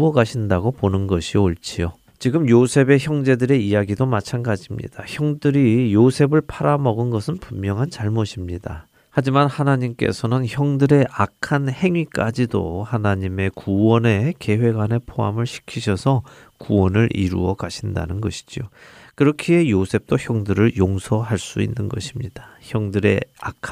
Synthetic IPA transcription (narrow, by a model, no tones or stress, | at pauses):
ʌɡaɕʰindaɡoponɯnɡʌɕʰioɭt͡ɕʰio | t͡ɕiɡɯmjosʰe̞be̞çjʌŋd͡ʑe̞dɯɾe̞ijaɡidomat͡ɕʰanɡad͡ʑimɲḭd̥açjʌŋdɯɾijosʰe̞bɯɭpʰaɾamʌɡɯnɡʌsʰɯnpumːjʌŋɦant͡ɕaɭmoɕʰimɲid̥a̰ | had͡ʑimanhanaɲimk͈e̞̰sʰʌnɯnçjʌŋdɯɾe̞ʔakʰanhe̞ŋɥik͈ad͡ʑido̰hanaɲime̞kuwʌne̞ke̞we̞ɡwane̞pʰoɦa̰mɯɭɕʰi̥kʰiɕʰʌsʰʌ | kuwʌnɯɾʔḭɾṵʌkaɕʰinda̰nɯnɡʌɕʰi̥d͡ʑio | kɯɾʌkʰie̞josʰe̞p̚t͈oçjʌŋdɯɾɯɭjoŋsʰʌɦaɭs͈uḭnːɯnɡʌɕʰimɲid̥ḁçjʌŋdɯɾe̞̰akʰ